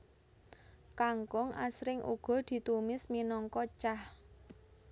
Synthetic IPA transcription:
kaŋkɔŋa̰sɾɪŋʔṵɡ̥ɔ̤d̪̥i̤t̪umɪsminɔŋkɔt͡ʃah

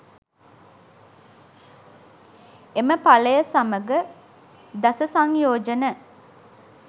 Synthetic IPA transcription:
eməpaləjəsaməɡə | d̪asəsaŋjoːd͡ʒənə

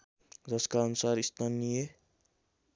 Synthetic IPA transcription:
d͡zʌskaʌnusaɾist̪ʰanije

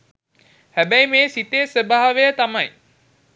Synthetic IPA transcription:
hæbæjmeːsit̪esəbaɦaʋejət̪amaj

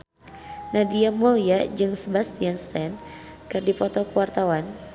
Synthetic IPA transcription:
nadiamɔliad͡ʒɨŋsəbast̪ianst̪ɛnkɨrdipɔt̪ɔkəwart̪awan

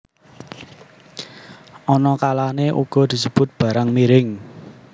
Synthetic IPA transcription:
ʔɔnɔkalaneʔṵɡ̥ɔ̤d̪̥i̤səb̥ʊ̤t̪̚b̥ä̤ɾaŋmiɾɪŋ

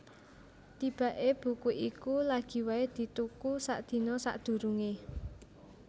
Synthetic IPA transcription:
t̪ib̥a̤ʔeb̥ṳkuʔikulaɡ̥i̤waed̪̥i̤t̪ukusa̰ʔd̪̥i̤nɔsa̰ʔd̪̥ṳɾuŋe

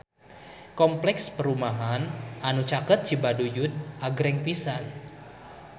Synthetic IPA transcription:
kɔmplɛkspəɾumaɦanʔanut͡ʃakət̪̚t͡ʃibadujut̪̚ʔaɡɾɛŋpisan

